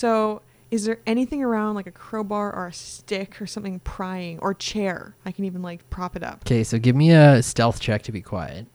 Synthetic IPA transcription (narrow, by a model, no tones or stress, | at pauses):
soʊ | ɨzðə˞ɛɾ̃iθɪ̃ŋə˞ãʊ̃ndˡlaɪkɨkʰɹ̥oʊbɑɹʔə̰˞ɨstɪkʰə˞sʌ̃mθɪ̃ŋpʰɹ̥aɪɪ̃ŋʔə̰˞t͡ʃʰɛɹaɪkʰnivə̃n̩laɪk̚pʰɹ̥ɑpɨɾʌ̰pkʰeɪsoʊɡɪvmiɨstɛlˠθt͡ʃʰɛk̚tʰɨbikʰw̥a̰ɪɨ̰t̚